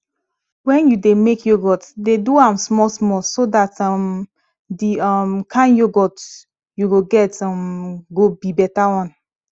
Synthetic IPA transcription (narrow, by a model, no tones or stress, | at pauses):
wɛ̃njudemekjoɡɔtdeduãmsmɔlsmɔsodatʌm | diʌmkʰãɪ̃njoɡɔt | juɡoɡɛtɔmɡobibɛtawɔ̃n